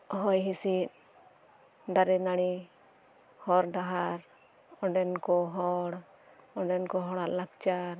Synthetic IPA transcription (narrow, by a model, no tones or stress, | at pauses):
ɔɦɔjɦisit̪̚ | d̪aɾɛnaɽ̃i | hɔɾɖaɦaɾ | ɔɖɛnkɔɦɔɽ | ɔɖɛnkɔɦɔɽaʔlakt͡ʃaɾ